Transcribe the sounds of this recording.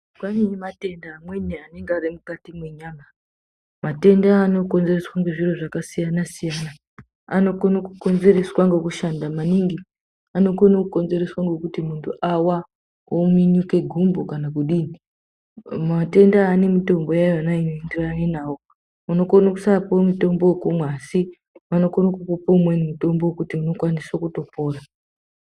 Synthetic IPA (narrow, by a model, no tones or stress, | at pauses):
kwaniɲimate̞ndaːmwe̞neane̞ŋɡarimukatimwe̞ɲaːma | mate̞ndaːno̞ko̞nze̞reswaŋɡe̞ʐiroʐakasijanasijana | a̰no̞konokuko̞nze̞re̞swaŋɡe̞kuʃandamaniŋɡi | ano̞konokuko̞nze̞re̞swaŋɡe̞kutimuntʰuʔawa | omiɲuke̞ɡʱumbokanakuɗiːni | mate̞ndaːne̞mito̞mbo̞jajoanaino̞endiraanenaːwo | uno̞konokusapomito̞mbo̞kumwaːsi | mano̞konokupopomwenimito̞mbowkutiuno̞kwaniswakuto̞po̞ːra